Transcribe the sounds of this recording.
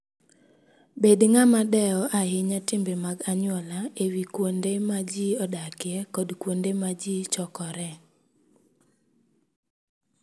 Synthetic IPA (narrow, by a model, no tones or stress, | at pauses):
bedŋamadɛɔʔahɪɲatɪmbemaɡaɲʊɔlaewikwondemad͡ʒiɔdakɪɛkɔdkwondemad͡ʒit͡ʃɔkɔɾɛ